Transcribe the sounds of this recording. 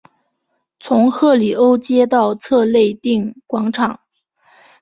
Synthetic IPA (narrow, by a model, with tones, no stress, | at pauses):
t͡sʰʊ˧˥ŋxɤ˥˩li˨˩o˥ʊt͡ɕjɛ˥t̪ɑ˥˧ʊt͡sʰɤ˥˧le˥˧ɪt̪i˥˩ŋkwɑ˧˥ŋʈ͡ʂʰɑ˨˩˦ŋ